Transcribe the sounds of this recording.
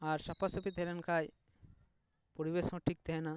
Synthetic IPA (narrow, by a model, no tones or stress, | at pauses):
aɾsapʰasɔpit̪ɦɛlɛnkʰaj | pɔɾiβesɔ̃ʈʰik̚t̪ɛɦɛna